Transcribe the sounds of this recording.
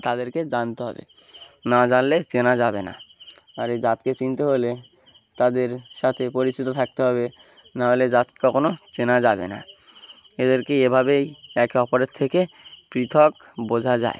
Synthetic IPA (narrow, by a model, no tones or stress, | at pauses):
t̪ad̪eɾked͡ʑant̪eɦɔ̰bḛ | nad͡ʑanlet͡ɕenad͡ʑabena̰ | aɾed͡ʑat̪ket͡ɕint̪eɦole | t̪ad̪eɾʃat̪ʰepoɾit͡ɕit̪ot̪ʰak̚t̪eɦɔbe | naɦoled͡ʑat̪kɔkʰonot͡ɕenad͡ʑabḛna̰ | ed̪eɾkeebʱabeɛkɔpoɾeɾt̪ʰːekepɾit̪ʰok | bod͡ʑʱad͡ʑa̰e